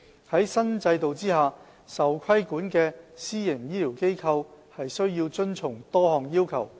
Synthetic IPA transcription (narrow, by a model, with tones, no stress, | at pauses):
hɐ˨˥jsɐ˥nt͡sɐ˧jt̪o˨wt͡siː˥haː˨ | sɐ˨wkʷʰɐ˥jkuː˨˥nkɛː˧siː˥jɪ˨˩ŋjiː˥lʰiː˨˩wke˥jkʰɐ˧whɐ˨jsɵ˥ɥjiː˧wt͡ʃɵ˥nt͡sʰʊ˨˩ŋt̪ɔː˥hɔː˨ŋjiː˥wkʰɐ˨˩w